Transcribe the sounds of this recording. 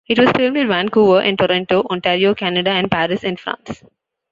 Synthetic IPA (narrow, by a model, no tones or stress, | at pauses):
ɪʈʋɔz̥fɪlmɖɪ̃nʋæ̃nkuːʋəʔɪ̰̃nʈɔɾɔ̃ɳʈoːʔɔ̃ɳʈeːɾioːkænəɖaæ̃ɳɖ̚pæːɾɪsɪ̃nfɾã̰ːns